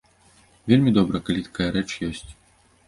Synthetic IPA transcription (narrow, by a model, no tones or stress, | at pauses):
vʲelʲmʲid̪ɔbɾɐkalʲit̪ḁkajɐɾɛt͡ʂjɔsʲt͡sʲ